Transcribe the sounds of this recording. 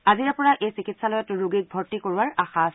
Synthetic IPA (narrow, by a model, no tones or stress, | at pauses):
aziɹapɔɹaʔejsikitsalɔjɔtɹuɡik̚bʱɔɹtikoɹuaɹaxas